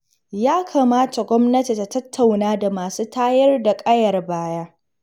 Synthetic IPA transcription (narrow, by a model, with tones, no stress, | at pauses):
jaː˦kʰaː˨maː˦ta˨ɡʷɔ˦mnɐ˦ti˨ta˨tɐ˦tʰːa˨wnaː˦da˨maː˨suː˦taː˦jɐ˦rda˨kʼɐ˦jɐ˨rbaː˦jaː˦